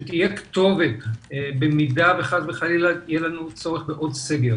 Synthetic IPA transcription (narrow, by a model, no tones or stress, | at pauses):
ʃet̪ijekt̪o̞vet̪bemid̪aveχad̪beχalilatijelanut͡so̞ʁeχbeʔo̞d̪seɡeʁ